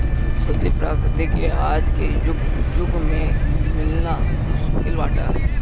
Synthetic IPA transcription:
sɐɡlipɾaːkɾɪt̪ekeaːd͡ʒked͡ʒʊɡd͡ʒʊɡmẽmɪlna | kɪlʋaːʈa̰ː

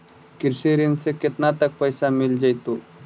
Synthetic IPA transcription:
kiɾseɾinseket̪nat̪ək̚pəjsamild͡ʒajt̪u

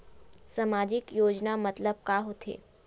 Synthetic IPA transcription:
samaːd͡ʒɪkjoːd͡ʒnamɐt̪ləb̚kaːɦot̪ʰḛː

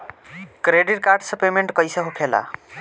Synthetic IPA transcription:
kɾeɖiʈ̚kaɾɖsəpemeɳʈkʌjsʌɦopʰela̰

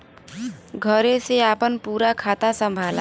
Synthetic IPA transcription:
ɡʱʌɾeseapənpuːɾakʰat̪asəmbʱala̰

